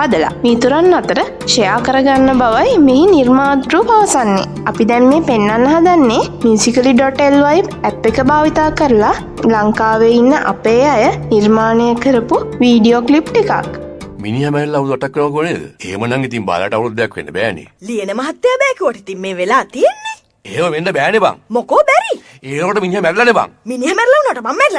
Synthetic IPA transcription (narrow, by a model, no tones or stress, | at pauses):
had̪əla̰mit̪uɾanːat̪əɾə | ʃejaːkəɾəɡanːəbaʋajmeɦiniɾmaːt̪ɾuːpaʋəsanːḛ | apid̪ɛmmeːpenːanːɦad̪anːemjuːsikəliɖɔʈelʋajbæpːekəbaːʋit̪aːkəɾəla | laŋkaːʋeinːəʔa̰peːajənirmaːnəjəkəɾəpuʋiːɖioklipʈika̰kminiɦamɛɾlːaud̪uʋaʈakːənəʋakuəneːd̪ə̰eːmənaŋit̪iŋba̰ːla̰ʈaʋɾud̪ːjakʋḛnːəbɛːnḛlijenəmɐɦat̪ːjabɛːkiuʋaʈit̪immeːʋelaːt̪ijenːe | eːməʋendəbɛːneba̰ŋmokoːbɛɾi | eːnoaʈəminiɦamɛɾlaneba̰ŋminiɦamɛɾilaunoʈəmamːɛɾila